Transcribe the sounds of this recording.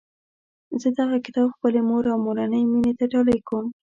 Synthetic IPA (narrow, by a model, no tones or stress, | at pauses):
zəd̪aɣakɪt̪ɑbxpəlemoɾawmoɾanəjminet̪aʈɑləjkəm